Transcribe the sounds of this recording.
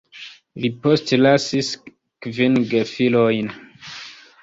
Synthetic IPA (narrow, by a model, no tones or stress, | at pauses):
lipostlasis | kvinɡefilojn